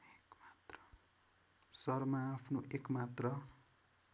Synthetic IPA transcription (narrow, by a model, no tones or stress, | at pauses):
ekmat̪rʌ | sʌrmaːpʰnoʔekmat̪rʌ